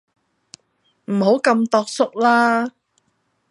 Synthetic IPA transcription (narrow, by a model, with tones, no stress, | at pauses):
m̩˨˩ɦo˨˥wkɐ˧mt̪ɔː˧k̚sʊ˥k̚laː˥